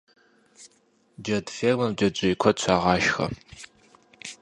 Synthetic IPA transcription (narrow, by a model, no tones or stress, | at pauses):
d͡ʒɐdfeːmɐmd͡ʒɐd͡ʒʷʼɪjkʷʰɔɕʷʰaːʁɑːʃxɐ̰